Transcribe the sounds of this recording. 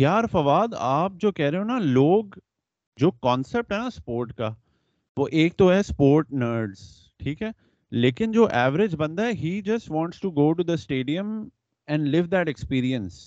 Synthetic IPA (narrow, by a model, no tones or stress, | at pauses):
jjaːɾfɐʋaːd̪aːp̚d͡ʒoːkɛɦɾeõnaloːɡ | d͡ʒoːkɔ̃ːnsɛp̚ʈɦɛnaspoːɾʈka | ʋoːʔeːk̚t̪oɦɛspoːɾʈnəːɾɖz̥ | ʈʰiːkɦɛː | leːkɪnd͡ʒoːʔɛːʋəɾɪd͡ʒbɐ̃nd̪aɛɦiːd͡ʒɐsʈʋɔ̃ːɳʈsʈuɡoːʈ̬ud̪əsʈeːɖiə̃m | ɛ̃ɳɖlɪʋd̪ɛʈɛkspiːɾiə̃ns